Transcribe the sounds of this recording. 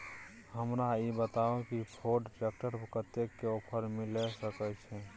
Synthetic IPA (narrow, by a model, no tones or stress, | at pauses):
ɦəmɾaibət̪aokipʰoɖɾek̚ʈəɾkət̪ekːeopʰəɾmilɛsəkɛt͡ʃʰɛ